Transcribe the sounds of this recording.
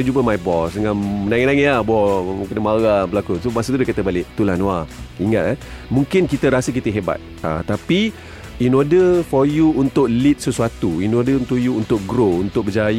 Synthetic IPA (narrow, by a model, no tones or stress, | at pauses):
d͡ʒubəmajbɔsdəŋanmənaŋənaŋelabɔkənəmaɣabəlakusomasət̪udəkat̪abalɪʔt̪ulanwaiŋa̰t̪amũŋkɪnkit̪əɾasəkit̪əɦeba̰t̪̚a̰t̪api | inɔdəfɔjuːnt̪ʊʔ̚lit̪̚səsuat̪uinɔdəunt̪uʔjuːnt̪ʊk̚ɡɾount̪ʊk̚bəd͡ʒaj